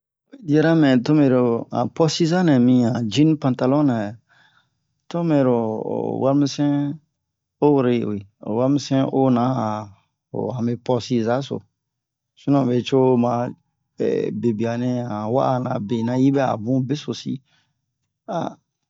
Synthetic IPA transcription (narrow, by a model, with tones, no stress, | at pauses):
we˨di˦ɛ˦ɾa˦mɛ̃˨to˦me˨ɾo˨ã̰˨pɔ˦si˦za˦nɛ˨mĩ˧ã˨d͡ʒi˦n˦pã˨nta˧lɔ˦na˨ | to˦me˨ɾo̰˨wa˦ɾmi˦sɛ̃˦ | o˦˨ɾe˨wi˨o̰˨wa˦mi˦sɛ̃˦ʔo˦nã˨˦a˨ | o̰˨ã˨me˧pɔ˧si˧za˦so̰˨ | su˦nã˨be˨t͡ʃo˦mã˨ | ɛ̰˨be˨bi˨a˨nɛ̃˦ã˨wa̰˦a˨nã˨be˨nã˧ji˦bɛ˦a̰˨bũ˦be˦so˨sḭ˦ | a̰˨